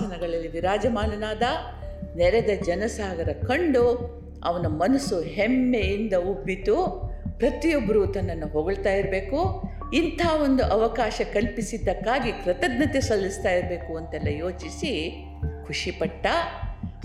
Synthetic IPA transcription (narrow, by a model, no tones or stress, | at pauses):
ɐnɐɡɐɭɐlːiʋiɾaːd͡ʒɐmaːlɐnaːd̪ɐ | nɛɾɛd̪ɐd͡ʒɐnɐsaːɡɐɾɐkɐɳɖu | ɐ̰ʋɐnumɐnɐsuɦɛmːejind̪ɐubːit̪upɾɐt̪ijobːɐɾuːt̪ɐnːɐnːuɦoːɡɐɭt̪aːjiɾɐbe̞ːku | int̪ʰaːʋo̞nd̪uʔɐʋɐkaːʃɐkɐlpisid̪ːɐkːaːɡikɾɐt̪ɐd̪nɐt̪esɐlːist̪aːjiɾɐbe̞ːkuɐnt̪ɛlːɐjo̞ːt͡ʃisi | kʰuʂipɐʈːɐ